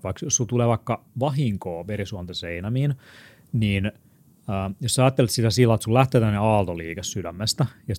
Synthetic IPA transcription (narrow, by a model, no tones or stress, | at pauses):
ʋɑikjossult̪uleːʋɑikːɑʋɑɦiŋkoːʋerisuɑnt̪ɑseinæmiːn | niːn | əːjossæɑːt̪ːelet̪sit̪æsilːɑet̪sullæht̪eːt̪ænːneɑːlt̪oliːkessydæmːest̪æjɑ